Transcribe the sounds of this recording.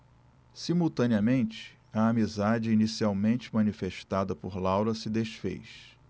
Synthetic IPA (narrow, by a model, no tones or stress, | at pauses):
simuwt̪ɐ̃niɐmẽnt͡ʃɪ̥ | ɐamizad͡ʒɪinisiawmẽnt͡ʃɪmɐ̃nifeʃt̪ad̪ɐpoɾlawɾɐsɪd̪eʃfḛjs